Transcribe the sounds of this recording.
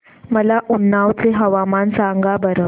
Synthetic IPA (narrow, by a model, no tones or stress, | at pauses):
məlaʔunːaʋt͡seɦəʋamansaŋɡabəɾə